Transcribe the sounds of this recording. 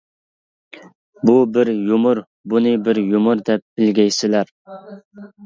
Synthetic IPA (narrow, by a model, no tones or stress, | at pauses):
bubɪɾjumʊɾ | bunɨbɪɾjumʊɾd̪ɛp̚b̥ɪlɡʲɛjsɪlæɾ